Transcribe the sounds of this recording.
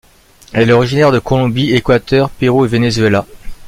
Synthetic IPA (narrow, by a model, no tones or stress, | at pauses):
ɛlɔʁiʒinɛʁd̪əkɔlɔ̃biekwat̪œʁpeʁoevenezɥela